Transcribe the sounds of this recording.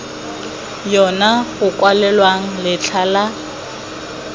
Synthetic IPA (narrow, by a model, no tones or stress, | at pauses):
jɔnaɣʊkʼwalɛlwaŋ̩lɪt͡ɬʰala